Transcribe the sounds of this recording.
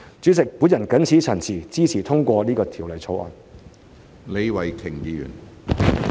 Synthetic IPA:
t͡sy˨˥t͡sɪ˨k̚puː˨˥njɐ˨˩nkɐ˨˥nt͡sʰiː˨˥t͡sʰɐ˨˩nt͡sʰiː˨˩t͡siː˥t͡sʰiː˨˩t̪ʰʊ˥ŋkʷɔː˧liː˥kɔː˧t̪ʰiː˨˩wlɐ˨˩jt͡sʰo˨˧wʔɔ̰ː˨˩n | le˨˧jwɐ˨˩jt̪ʰɪ˨˩ŋjiː˨˧jy̰˨˩n

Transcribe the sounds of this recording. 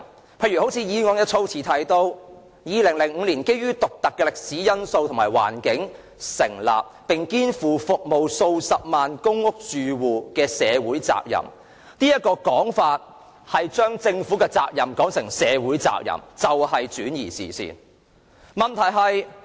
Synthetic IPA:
pʰe˧jy˨˩ho˨˥wt͡sʰiː˧jiː˨˧ŋɔː˨˧ŋjɐ˥t̚t͡ʃʰo˥wt͡sʰiː˨t̪ʰɐ˨˥jt̪o˧w | jiː˨˧lɪ˨˩ŋlɪ˨˩ŋŋ̩˨˧liː˨˩nke˥jɥyː˥t̪ʊ˨k̚t̪ɐ˨kːɛ˧lɪ˨˩k̚siː˨˥jɐ˥nso˧wt̪ʰʊ˨˩ŋmaː˨˩jwa̰ː˨˩nkɪ˨˥ŋ | sɪ˨˩ŋla̰ː˨p̚pɪ˨ŋkiː˥nfuː˨fʊ˨k̚mo˨wso˧wsɐ˨p̚maː˨nkʊ˥ŋʊ˥k̚t͡ʃyː˨wuː˨kɛː˧sɛː˨˧wuː˨˥jt͡sa̰ː˧k̚jɐ̰˨˩m | niː˥jɐ˥t̚kːɔː˧kɔː˨˥ŋfaː˧t̚ | hɐ˨jt͡ʃœː˥ŋt͡sɪ˧ŋfuː˨˥kɛ˧t͡sa̰ː˧k̚jɐ˨mkɔː˨˥ŋsɪ˨˩ŋsɛː˨˧wuː˨˥jt͡sa̰ː˧k̚jɐ̰˨˩mt͡sɐ˨whɐ˨jt͡ʃyː˨˥njḭː˨˩sḭː˨˩sḭː˨n | mɐ˨nt̪ʰɐ˨˩jɦɐ˨j

